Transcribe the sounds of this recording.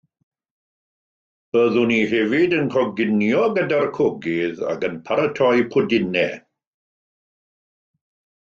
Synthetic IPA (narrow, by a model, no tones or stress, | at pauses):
b̥əðʊniɦɛvɪdənkʰɔɡɪnjɔɡədarkʰɔɡɪða̰kənpʰaɾətʰɔjpʰʊdɪnɛ